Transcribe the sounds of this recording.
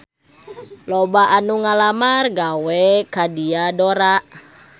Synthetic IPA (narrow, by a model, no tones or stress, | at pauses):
lɔbaʔanuŋalamarɡawɛkadiadoɾaʔ